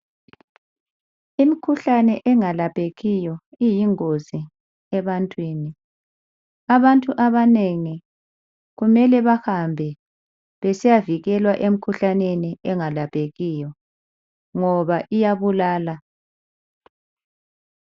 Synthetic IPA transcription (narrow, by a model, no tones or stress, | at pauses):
imikʰuɬanɛʔɛŋalapʼeɣijɔijiŋozi | ɛβantʼwiːni | aβantʼuʔaβaneŋi | ɣumɛlɛβahambʱɛ | βɛsijaviɣɛlwaʔem̩kʰuɬaneniɛŋalapʼeɣijɔ | ŋɔβaʔijaβulaːla